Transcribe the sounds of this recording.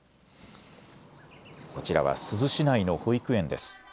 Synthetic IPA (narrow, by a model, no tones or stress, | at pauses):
ko̞t͡ɕiɾa̰βa̰sɨzɨɕinaino̞hoikɯ̟ẽ̞nd̪e̞̰sɨ̥